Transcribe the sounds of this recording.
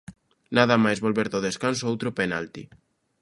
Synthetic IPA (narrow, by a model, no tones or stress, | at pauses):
naðamajzβolβeɾðoðeskansoowt̪ɾopenalt̪i